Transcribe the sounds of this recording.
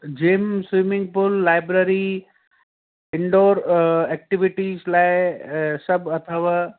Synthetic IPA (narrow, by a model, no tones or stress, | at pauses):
d͡ʑeːmsʋimɪ̃ŋɡ̚pʊlːaːɪbɾəɾi | ɪ̃ɳɖoːɾɛk̚ʈɪʋɪʈiːzlaːɪsɐbɐt̪ʰəʋaː